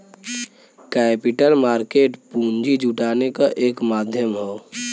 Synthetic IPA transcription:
kɛːpɪʈəlmaːɾkeːʈpũːnd͡ʒid͡ʒuʈaːnekaʔeːkmaːd̪ʱjəmɦoː

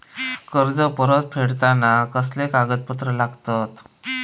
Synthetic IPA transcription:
kəɾd͡zəpəɾət̪̚fʰeɽt̪anakəslekaɡət̪̚pət̪ɾəlaɡt̪at̪

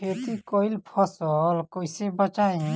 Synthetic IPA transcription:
et̪ikoilpʰɔsəlkoisebət͡ʃaĩ

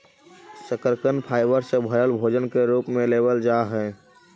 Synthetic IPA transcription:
səkəɾkənpʰaːɪbəɾsebʱəjəlbʱoːd͡ʒənkeɾuːpmẽleːbəld͡ʒaːɦɛː

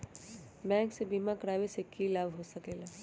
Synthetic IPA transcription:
bɛ̃ːŋksebiːmakɾaːʋesekilaːʋɦosɐkeːlaː

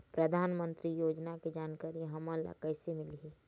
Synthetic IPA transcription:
pɾəd̪ʱaːnmə̃nt̪ɾijoːd͡ʒnaked͡ʒaːnkaːɾiɦɐmə̃la̰kəːsemɪlɦi

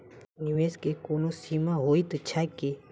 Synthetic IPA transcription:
niʋeːskekoːnoːsiːmaːɦoːit̪ət͡ʃʰaːkeː

